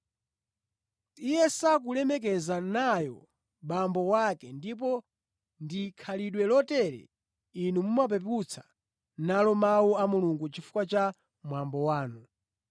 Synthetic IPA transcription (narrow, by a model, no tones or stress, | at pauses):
ijɛsak̬ulɛmɛk̬ɛzanajɔ̰ | ɓambɔwakɛndip̬ɔ | ndikʰaliɗwɛlɔtɛɾɛ̰ | inumumap̬ɛp̬ut͡sʰḁ | nalɔmawuamuluŋɡut͡ʃifu̥kwat͡ʃa | mwambɔwaːnu